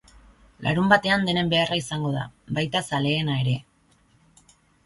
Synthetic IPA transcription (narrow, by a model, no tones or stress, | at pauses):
la̰ɾumbat̪e̞and̪e̞ne̞mbe̞araisaŋɡo̞ða̰βajt̪asale̞ːnae̞ɾe̞